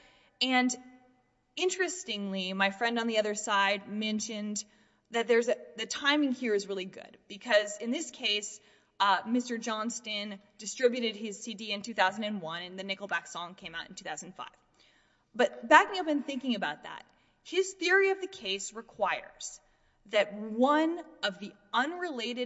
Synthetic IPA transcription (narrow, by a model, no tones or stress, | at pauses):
ɨ̃n | ɪ̃nt͡ʃɹ̥ɨstɪ̃ŋlimaɪfɹɛ̃nd̃n̩ðiʌðə˞saɪd̚mɛ̃nʃɨ̃n | ðɨt̪̚ðə˞zɨðɨtʰãɪ̃mɪ̃ŋhiɹɨzɹɪlˠiɡʊ̰d̥̚b̥ɨkʰʌzɨ̃nðɪskʰeɪs | mɪstə˞d͡ʒɑ̃nstɪ̃n | d̥ɨstɹ̥ɪbjʉɾɨd̚ɪz̥sidiɨ̃ntʰʉθaʊzn̩dɨ̃nwʌ̃nɨ̃nðɨnɪkl̩ˠbæksɔ̃ŋkʰẽɪ̃maʊɾntʰʉ̥θaʊzndn̩fa̰ɪv̥ | b̥ʌt̚b̥æknʌpɨ̃nθɪ̃ŋkɪ̃ŋɨbaʊt̪̚ðə̰t̚ | hɪz̥θɪɹiʌvðɨkʰeɪsɹɨkʰw̥aɪə̰˞z̥ | ðɨt̚wʌ̃nʌvði | ʌ̃nɹɨleɪɾɨ